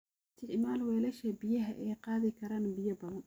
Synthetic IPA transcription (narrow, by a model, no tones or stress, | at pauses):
t̪ɪʕmaːlwɛːlɐʃɐbɪjɐɦɐʔɛjqɑːðɪkʰɐɾaːnbɪjɐbɐðɐn